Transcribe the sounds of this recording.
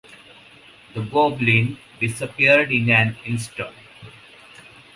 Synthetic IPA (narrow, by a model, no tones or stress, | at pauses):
d̪əɡoːblĩn | ɖɪsəpiəɾɖɪ̃næ̃nɪ̃nsʈə̃